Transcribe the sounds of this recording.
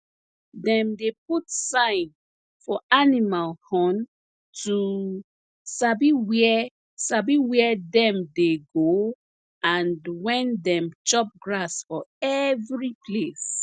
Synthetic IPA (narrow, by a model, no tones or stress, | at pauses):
dɛ̃mdep̚utsãɪ̃n | fɔʔanimalhɔ̃n | tʰu | sabiwɛ | sabiwɛdɛ̃mdeɡo | ãndwɛ̃ndɛ̃mt͡ʃɔp̚ɡɹasfɔɛvɹipʰles